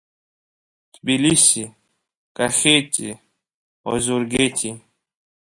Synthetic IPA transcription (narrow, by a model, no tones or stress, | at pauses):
t̪bilisi | kaxetʲḭ | ɔ̰zuɾɡetʲi